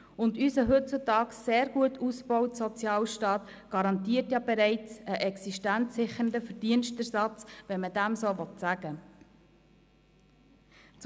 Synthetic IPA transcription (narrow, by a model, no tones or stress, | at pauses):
ʊndysəɦɵt̚t͡sutɑːkseːɾɡ̥uətʰusbɔwtsɔt͡sjɑːlʃtɑːt | ɡ̥ɑɾɑntiːətjɑbɛɾɛɪt͡səʔɛksiʃtænsɪχəndəfəɾd̥iənʃtəɾsɑt͡sʋɛnmədæmsoːʋɔtsæɡ̥ə | t͡s